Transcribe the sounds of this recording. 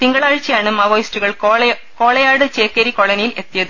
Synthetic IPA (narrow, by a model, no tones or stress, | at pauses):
t̪iŋɡɐɭaːɻt͡ɕːɐjaːɳɨmɐʋojstuɣɐɭ | ko̞ːɭɐjaːɽɨt͡ɕeːkːɐɾiko̞ɭɐnɐjile̞t̪ːijɐðɨ